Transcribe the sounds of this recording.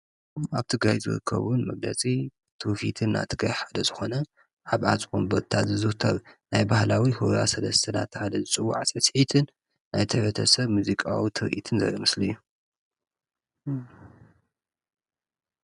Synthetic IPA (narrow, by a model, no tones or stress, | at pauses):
aβt̪ʰɨɡɾajzɨ̰ɾɨ̰kʰːɐ̰βunmɐɡlɐ̰t͡sʼi | t̪ʰufit̪ʰɨnːa̰t̪ʰɨɡɾajħad̪ɐzɨxo̞nɐ | ʕaβʕat͡sʼxumbot̪ʰat̪zɨzɨht̪ʰɐβnajbahlawihuɾa̰sɐlɐst̪ʰɨnat̪ʰːɨħad̪ɐzɨt͡sʼɨwːuʕat͡sʼɨsħit̪ʰɨn | najt̪ʰɐbɐt̪ʰɐsɐβmuzikʼawit̪ʰɨɾʔḭt̪ʰɨnzɐ̰jomɨslɨjːu